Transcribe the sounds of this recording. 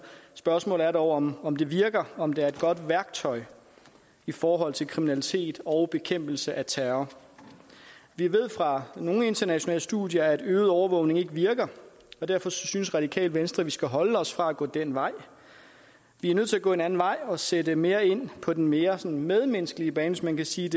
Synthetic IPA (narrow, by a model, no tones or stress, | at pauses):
sb̥ɶɐsmɔ̰̽ːlæɐɾɒʊɒmɒ̽md̥e̝ʋiɐɡ̥ɐɒ̽md̥eæɐe̝d̥̚ɡ̥ɒ̽d̥ʋæɐɡ̥̚t͡sʰɒ̽ɪ | ifɒːɦɒ̽l̰t͡sʰe̝lkʰʁiminælit͡sʰe̝̰ːd̥ɒ̽ʊb̥e̝kʰem̰b̥l̩səʔæt͡sʰæːɐ | ʋiɐʋe̝ð̞̰ˠfʁɑ̈no̝ːŋe̝nd̥ɐnæɕo̝nɛ̰ːləsd̥uðˠjɐæd̥øːð̩ˠɒʊɐʋɔ̽ʊ̰ne̝ŋe̝ɡ̥əʋiɐɡ̥ɐ | ɒ̽d̥æɐfɒ̽synsʁɑ̈d̥ikʰɛ̰ːlʋensd̥ʁɐʋisɡ̥æɦɒ̽ləɒ̽sfʁɑ̈æɡ̥ɔ̰̽ːd̥en̰ʋɑ̈ɪ̰ | ʋiæɐnøð̰ˠt͡s̝ʰæɡɔ̰̽ːe̝næn̩ʋɑ̈ɪ̰ɒ̽sedəme̝ːɐe̝n̰pʰɒ̽d̥enme̝ːɐsɒ̽nmeð̞ˠmensɡ̥əliəb̥ɛːnʋesmænkʰæsiːd̥e̝